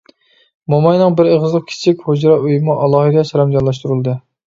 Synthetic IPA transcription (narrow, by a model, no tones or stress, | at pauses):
mɑmɑjnɨŋbɪɾeʁəzlˠəq̚kʲʰɪ̥t͡ʃʰikʲhod͡ʒɾɑʔøjmɑʔɑlˠɑhid̪ɛʃɛɾɛmd͡ʒɑnlˠɑʃ̬t̪uɾɨlˠd̪ɨ